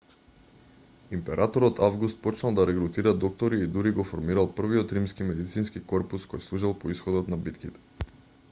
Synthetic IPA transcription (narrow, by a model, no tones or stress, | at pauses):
impɛɾʔat̪ɔɾɔt̪avɡust̪̚pɔt͡ʃnalˠd̪aɾɛɡɾut̪iɾad̪ɔk̚t̪ɔɾiːd̪uɾiɡɔfɔɾmiɾalˠpr̩viɔt̪ɾimskimɛd̪it̪sinskikɔɾpuskɔjslˠuʒalˠpɔisxɔd̪ɔt̪nabit̪kit̪ɛ̥